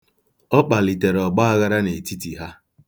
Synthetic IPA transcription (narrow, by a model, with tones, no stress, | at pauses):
ɔ˦k͡pa˨li˨te˨ɾɔ˨ɡ͡ba˦a˦ɣa˦ɾa˦ne˨ti˦ti˨ɦa˦